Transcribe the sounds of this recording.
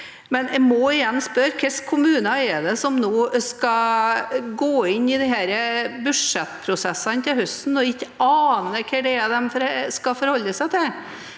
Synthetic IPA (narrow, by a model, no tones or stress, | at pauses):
mɛnɛɪmɔɪjɛnːspœɾkʰɪskʰʊmʉːnɑɛd̪ɛsɔmnoːskɑ | ɡoːɪnːɪd̪ɛɦæːɾəbʉʂɛt̪ːpʰɾʊsɛsːɑnət̪ʰɪhʉst̪n̩ɔɪçːɑːnəkʰɛɖɛɛd̪ɛmfɔɾɛskɑfɔɾhɔlːəsæɪt̪ʰɪl